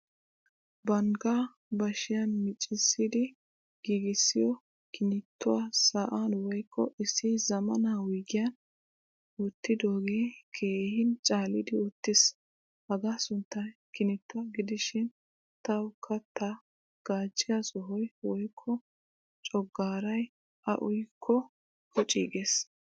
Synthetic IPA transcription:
bɐŋɡaː | bɐʃɪjɐnmɪt͡ʃʼːɪsːɪd̪ɪ | ɡ̥iːɡɪsːɪjɔ | kɪnɪt̪ːʊwasaːʔanwɔjkʰːɔʔɪsɪzɐmɐnaːwijɡɪjɐn | ʊt̪ːɪd̪o̞ːɡeːkʰeːhɪnt͡ʃʼaːlɪd̪ɪʊt̪ːɪs | hɐɡaːsʊnt̪ːɐjkɪnɪt̪ːʊwɐɡɪd̪ɪʃɪn | t̪ɐwʊkʰːɐt̪ːɐ | ɡ̥aːt͡ʃʼːɪjɐsɔɦɔjwɔjkʰːɔ | t͡ʃʼɔɡːaːɾɐj | ʔɐ̰ʔʊjkʰːɔ | hɔt͡ʃʼiːɡes

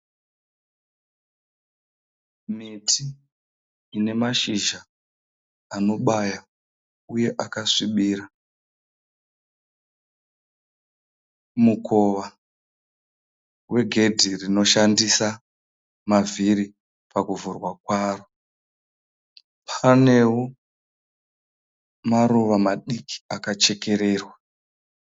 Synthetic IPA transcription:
mitʰiː | ne̞maʃiʒaː | no̞ɓaja | uje̞ʔakaʂiɓiːɾa | mukʰo̞ʋa | wʔe̞ɡʱe̞dʱirino̞ʃandisa | mavʱiɾi | pakuvurwakwaːro | pʰane̞wo | maɾoʋamaɗiki̥akat͡ʃe̞ke̞ɾe̞ːrwa

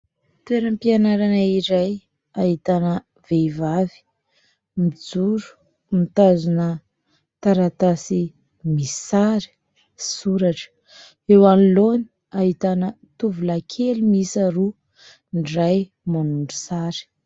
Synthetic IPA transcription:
t̪eɾəmpianaɾanaiɾaj | aɦit̪anə | v̥evavi̥ | mid͡zuɾu̥ | mit̪azunə | t̪aɾat̪asi | misi̥saɾi̥ | suɾaʈ͡ʂə̥ | ewaniloni̥ | aɦit̪anə | t̪uvulakʰelimisaɾu | ɳɖ͡ʐaj | manuɳɖ͡ʐusaɾi̥

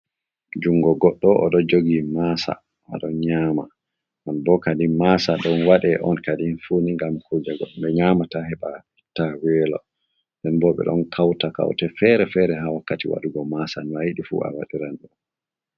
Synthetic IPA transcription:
d͡ʒuŋɡɔɡɔɗːɔʔɗɔd͡ʒoɡimasa̰ | ma̰ɗɔnɲaːma̰ | manbɔkadinmasaɗɔnwaɗɛʔɔnkadinfuniŋɡamkʰud͡ʒaɡɔɗɓɛɲaːmatahɛɓa | itːawɛːlɔ̰ | ndɛnbɔɓɛ̰ɗɔ̰nkʰawtaka̰wtɛfɛɾɛfɛɾɛɦawakːatiwa̰ɗuɡɔmasanwajiɗifṵa̰waɗiɾanɗɔn

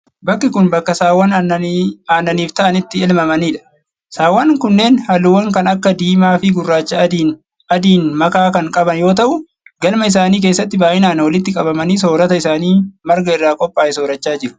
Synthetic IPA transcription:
bɐkːɪkʊnbɐkːɐsaːwɐn | aːnːɐniːft̪ɐʔɐnɪt̪ːɪɪlmɐmɐniːᶑɐ̥ | saːwɐnkʊnːe̞ːnhɐlʊwɐŋkɐnɐkːɐd̪iːmaːfɪɡʊrːaːt͡ʃːɐ | ɐd̪iːnmɐkaːkɐŋkʼɐbɐnjo̞ːt̪ɐʔʊ | ɡɐlmɐɪs̬aːniːk̬eːsːɐt̪ːɪbaːʔɪnaːnwɐlɪt̪ːɪkʼɐbɐmɐniːso̞ːɾɐt̪ɐɪsaːniːmɐɾɡɐɪrːaːkʼɔpʼːaːʔɪsoːɾɐt͡ʃːaːd͡ʒɪɾʊ̥

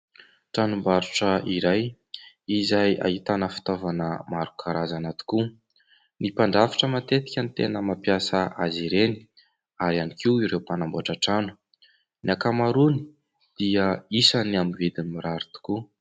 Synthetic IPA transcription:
ʈ͡ʂanumbaɾuʈ͡ʂəiɾaj | izaja̰ɦit̪anəfi̥t̪ovanəmaɾukʰaɾazanat̪u̥ku | nipaɳɖ͡ʐafi̥ʈ͡ʂəmat̪et̪i̥kʲənt̪ḛnəmapjasəʔaziɾeni̥ | aɾianikiwiɾewpanamboaʈ͡ʂaʈ͡ʂanu̥ | niakamaɾuni̥ | d̪̥iəisanamived̪imiɾaɾit̪u̥ku

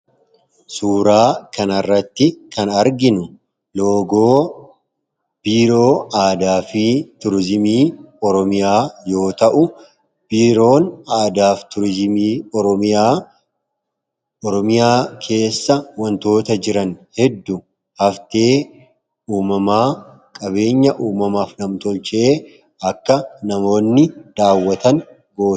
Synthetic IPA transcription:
suːɾaːkɐnɐrːɐt̪ːɪkɐnɐɾɡɪnʊ | lo̞ːɡoː | b̥iːɾoːaːd̪aːfɪt̪ʊɾɪzɪmiːɔɾɔmɪjaːjo̞ːt̪ɐʔʊ | b̥iːɾo̞ːnaːd̪aːft̪ʊɾzɪmiː | ɔɾɔmɪjaːkʰe̞ːsːɐwɐnt̪o̞ːt̪ɐd͡ʒɪɾɐnhɛd̪ːʊ | hɐft̪e̞ː | uːmɐmaː | kʼɐbe̞ːɲːɐʔuːmɐmaːfnɐmt̪ɔlt͡ʃɪeː | ɐkːɐnɐmo̞ːnːɪd̪̥aːwːɐt̪ɐn | ɡo̞ːt̪

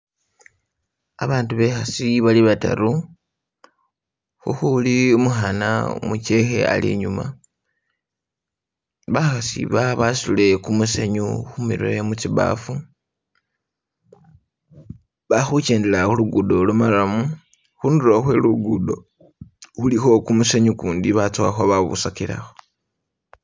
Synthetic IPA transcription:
aβaːntuβe̞xasiβaliβata̰ɾu | xuxuliumuxana̰mut͡ʃe̞xe̞̰a̰lḭɲuma̰ | βaxasḭβaβasule̞kumuseɲuxumiɾwemut͡siβa̰fu | βaxut͡ʃe̞ːndelaxuluɡudo̞lumalamu | xunduloxweluɡudo̞ | xulixo̞kumuseɲukuːndiβat͡suwaxoβaβṵsakila̰xo

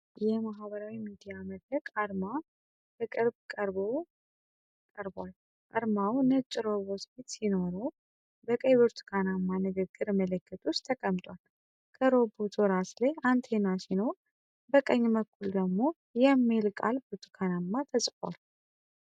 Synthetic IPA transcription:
jɛmaɦβəɾawimid̪ijaməd̪ɾəkʼaɾma | bəkʼɨɾbkʼəɾbo | kʼəɾbwal | ʔaɾmawnət͡ʃʼːɾoβo̞t̪fit̪sino̞ɾo | bəkʼəjβɨɾt̪ʰkʰanamːanɨɡɨɡːɨɾmələkʰːət̪ʰʼust̪ʰːəkʼəmt̪ʼwal | kʰəɾo̞bot̪ʰoɾaslajant̪ʰe̞nasino̞ɾ | bəkʼəɲːməkʰːuld̪əɡmo̞ | jɛmːelkʼa̰lbɨɾt̪ʰukʰanamːat̪ʰəsʼka̰l

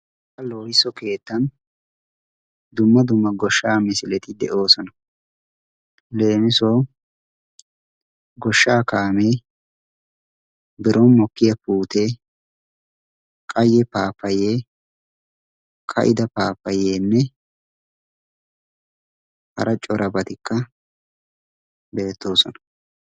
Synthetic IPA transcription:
kɐloːhɪsɔke̞ːt̪ːɐn | d̪ʊmːɐd̪ʊmːɐɡɔʃːaːmɪsɪlɛt̪ɪd̪ɛʔo̞ːsɔnɐ | le̞ːmɪsoː | ɡɔʃːaːkaːmeː | bɪɾʔɔnmɔkːɪjɐpuːt̪eː | kʼɐjɛpaːpːɐjeː | kʼʰɐ̰ʔɪ̰d̪ɐpaːpːɐjeːnːɛ | hɐ̰ɾʔɐt͡ʃʼɔɾʔɐbɐt̪ɪkːɐ | be̞ːt̪ːo̞ːsɔnɐ̥

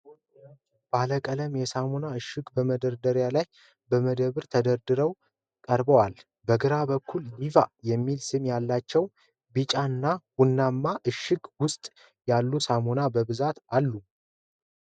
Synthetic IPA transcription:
b̥aləkʼələmjɛsamonaɨʃːɨɡbəməd̪əɾd̪əɾjalaj | bəməd̪əβɨɾt̪ʰəd̪əɾd̪ɨɾəw | kʼəɾbəwal | bəɡɨɾabəkʰːulːivajɛmːilsɨmjalːat͡ʃːɛw | bɨt͡ʃʼaɨnːawʊnːamːaʔɨʃːɨɡwʊst̪ʼ | jalːusamonabəβɨzat̪alːu

